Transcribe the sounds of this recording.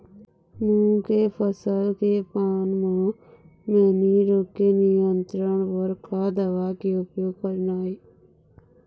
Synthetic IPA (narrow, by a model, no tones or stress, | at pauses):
mũːkepʰəsəlkepaːnmũ | mẽːniɾoːkːenijənt̪ɾəɳpəɾkʰaːd̪əʋaːkeʊpjoːɡkəɾnaːiː